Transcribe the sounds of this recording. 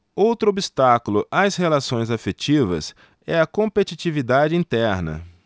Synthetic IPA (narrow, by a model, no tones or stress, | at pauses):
owt̪ɾʊobist̪akulʊʔashelasõj̃zafet͡ʃivɐ̰s | ɛɐkõpet͡ʃit͡ʃivid̪ad͡ʒɪĩnt̪ɛɾnɐ̰